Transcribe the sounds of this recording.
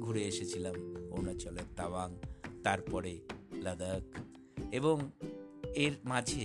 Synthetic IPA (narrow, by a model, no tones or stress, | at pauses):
ɡʱuɾeeʃet͡ɕʰilamo̰nat͡ɕɔlet̪ːabaŋt̪aɾpɔɾeləd̪ək | eboŋ | eɾmad͡ʑʱe